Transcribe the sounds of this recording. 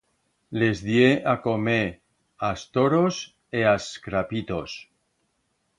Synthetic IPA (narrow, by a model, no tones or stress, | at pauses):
le̞zðjeʔakome | ast̪oɾos | easkɾapit̪o̞s